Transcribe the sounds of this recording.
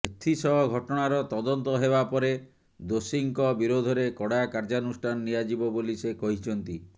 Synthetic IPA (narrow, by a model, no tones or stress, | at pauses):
et̪ʰːisɔɦɔɡʱɔʈɔɽ̃aɾɔt̪ɔd̪ɔnt̪ɔɦebapɔɾe | d̪osiŋkɔbiɾod̪ʱɔɾekɔɽakaɾd͡ʒanusʈʰanɔːijad͡ʒibɔbolisekɔɦit͡ʃʰɔnt̪i